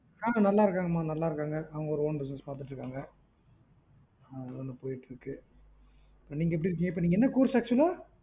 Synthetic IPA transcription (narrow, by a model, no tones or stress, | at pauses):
aːɐnɐlːaːɪɾɯkːaːŋɡɐmaːnɐlːaːɪɾɯkːaːŋɡɐʔɐʋɐŋɡɐɔɾɯoːnbɪsnɐspaːɾt̪ɯʈːɾɯkːaːŋɡɐ | ðɯɐnd̪ɯpoːjɪʈːɾɯkːɯ | ɪpːoniːŋɡɐɛpːɽiɾɯk̬ːiːŋɡɐɪp̬ːoːniːŋɡɐɛnːɐkuːɾsaːk̚t͡ʃːʊɐlaː